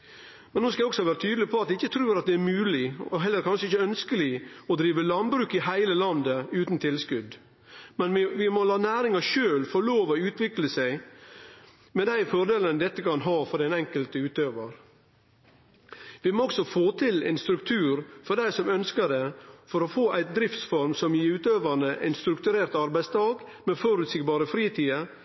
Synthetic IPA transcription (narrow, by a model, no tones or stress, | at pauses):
mɛnːoːskɑɔksɔʋæːɾət̪ʰyːd̪lɪpʰɔɑt̪̚ʋɪɪçːət̪ʰɾʉːɾɑt̪̚d̪ɛæɾmʉːlɪɔɦɛlːəɾkʰɑnʂəɪçəœnskəlɪɔd̪ɾiːʋəlɑnbɾʉːkɪɦæɪləlɑnd̪əʉːt̪n̩t̪ʰɪlskʉd̪ | mɛnʋɪʋɪmɔlɑːnæːɾɪŋɑʂøːlfɔɾɭoːʋɔʉːt̪ʰʋɪkləsæɪ | mɛd̪æɪfɔɾɖ̪eːlənəd̪ɛt̪ːəkɑnɦɑːfɔɖɛnɛŋkəlt̪əʉːt̪øːʋəɾ | ʋɪmoːɔksɔfoːt̪ʰɪlɛ̰ɪnst̪ɾʉkt̪ʰʉːɾfɔɾɖæɪsɔmœnskəɖ̪efɔɾɔfoːʔæɪt̪̚d̪ɾɪft̪sfɔɾmsɔmjiːʉːt̪øːʋəɳəʔæ̰ɪnst̪ɾʉkt̪ʉɾeːɾt̪ɑɾbæɪst̪ʰɑːkmɛfɔɾʉt̪sɪɡbɑːɾəfɾiːt̪ʰiːə